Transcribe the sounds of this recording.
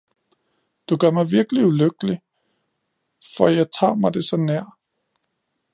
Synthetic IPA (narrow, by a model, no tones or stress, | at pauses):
d̥uɡ̥ɶɐ̰mɑ̈ɪʋiɐɡ̥əliuløɡ̥əli | fɒjɑ̈ɪt͡sʰɑ̰̈ːmɑ̈ɪd̥e̝sɒ̽næɐ̰